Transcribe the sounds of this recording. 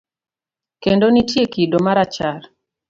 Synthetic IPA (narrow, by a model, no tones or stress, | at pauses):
kendonitjekidomaɾat͡ʃar